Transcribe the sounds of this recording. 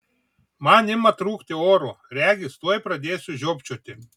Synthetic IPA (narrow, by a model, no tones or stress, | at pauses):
manʲɪmɐt̪ɾuːkt̪ʲɪoːɾo | ɾʲæːɡʲɪst̪uɔjpɾɐd̪ʲeːsʲʊʒʲoːpʲt͡ʃʲoːt̪ʲɪ